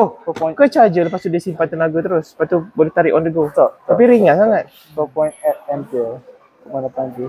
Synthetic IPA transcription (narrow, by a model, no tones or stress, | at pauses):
oõkət͡ʃad͡ʒəlpast̪udisimpant̪ənaɡət̪əɾʊspat̪ːubolɛht̪aɾiʔɔndəɡot̪t̪apiɾiŋanŋaŋat̪̚ | t̪opɔjnt̪ɛt̪̚ɛnti | t̪umanapanti